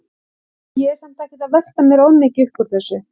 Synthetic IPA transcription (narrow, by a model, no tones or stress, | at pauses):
jɛɛɾsɛm̥t̪ajhcɪt̪aðvɛxt̪amjɛɾawmːɪcɪʏhpɔɾ̥θɛsːʏ